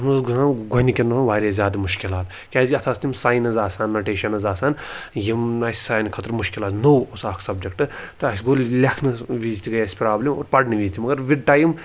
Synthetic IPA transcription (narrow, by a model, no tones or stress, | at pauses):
ɐmɐsɡɐaːnɡʱonikʲenɐɦnʋaːɾʲeːzʲjaːd̪ɐmuʃkʲilaːt̪ | kʲaːziɐt̪ʰaːst̪ʲimsaːjnɐzaːsaːnːɐʈeːʃɐnɐzaːsaːnjimaːsi̥saːnkʰɐt̪ɾmuʃkilaːt̪nowosaːkʰsɐbd͡ʒekʈɨt̪ɨɐsʲɡolʲlʲɐkʰnɨʋiːzt̪ʰʲiɡɐjɐsʲpɾaːblʲimoːɾpɐɽnɨʋiːzʲit̪ʰʲimɐɡɐɾʋiɖʈaːjm